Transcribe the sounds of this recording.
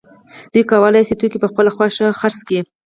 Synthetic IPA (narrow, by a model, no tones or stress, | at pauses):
d̪ujkawəlajsit̪ukipəxpəlaxwaʃaxaɾski